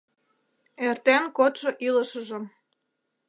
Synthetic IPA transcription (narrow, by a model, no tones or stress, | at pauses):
ert̪enkot̪ʃɤ̆ʔilə̆ʃə̆ʒə̆m